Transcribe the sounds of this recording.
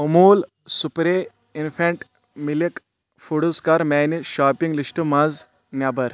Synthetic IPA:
omuːl | supɾe | infʰẽɳʈ | milik | fuɽuskaːɾmɛːniʃaːpiŋɡlisʈəmaz | njaːbɐɾ

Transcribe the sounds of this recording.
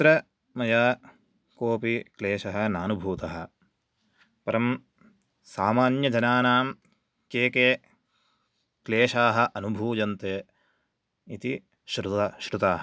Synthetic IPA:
t̪ɾɐ | mɐjaː | koːpikleːʃɐɦɐnaːnubʱuːt̪ɐɦɐ̰̆ | pɐɾɐm | saːmaːnjɐd͡ʒɐnaːnaːm | keːkeː | kleːʃaːɦɐ̆ʔɐnubʱuːd͡ʒɐnt̪eː | it̪i | ʃɾuaʃɾut̪aːɦɐ

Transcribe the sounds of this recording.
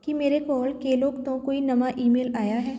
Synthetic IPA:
kimeːɾekɔːlkeːloːkt̪õkoːinɐmaʔiːmeːlaːjaɦɛː

